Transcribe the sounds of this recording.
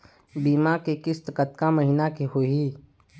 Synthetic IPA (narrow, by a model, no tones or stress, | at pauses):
biːmakekɪst̪kət̪kaməɦɪnakeɦoɦiː